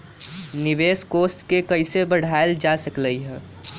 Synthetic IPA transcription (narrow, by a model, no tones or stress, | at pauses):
nɪʋeːskoːsʈkekəɪsebəɽ̤aːeld͡ʒasəkləiɦɛ̃ː